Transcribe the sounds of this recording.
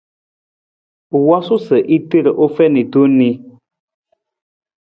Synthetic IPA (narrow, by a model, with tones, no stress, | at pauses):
wɔ˦su˦sə˨ʔi˦te˦˨ɾə˨ʔo˦fɛ˦ni˨tu˦ni˦